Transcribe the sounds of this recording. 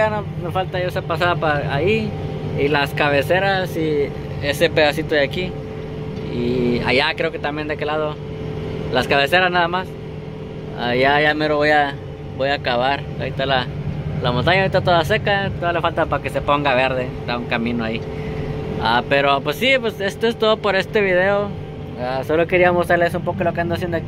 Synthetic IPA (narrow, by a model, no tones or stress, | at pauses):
ano | mefalt̪ajoesapasaðapaai | ilaskaβe̞seɾasi | esepe̞ðasit̪oðeaki | ia̰ʝakɾeoke̞t̪ambjend̪ekelað̞o | laskaβe̞se̞ɾaznaðamas | a̰jaʝameɾoβoja | bo̞jakaβaɾ | a̰it̪alalamont̪aɲaɾit̪at̪oðasekat̪oðalefalt̪apake̞se̞po̞ŋɡaβe̞ɾðest̪auŋkamĩnoai | ape̞ɾopwesːipwese̞st̪oest̪o̞ðopoɾe̞st̪e̞βið̞e̞o | asoloke̞ɾiamostɾaɾlesumpo̞kolokeand̪oasjend̪oaki